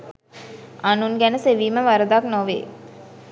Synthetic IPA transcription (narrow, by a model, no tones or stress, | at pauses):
anunɡænəseʋiːməʋaɾəd̪aknoʋḛː